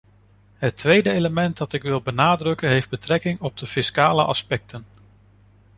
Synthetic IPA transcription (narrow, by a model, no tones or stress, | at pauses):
ɦətʋejdəejləmɛntdɑtɪkʋɪlˠbənaːdrɵkənɦejfd̚bətrɛkɪŋɔb̚dəfɪskaːlə̰ʔɑ̰spɛk̚tʰən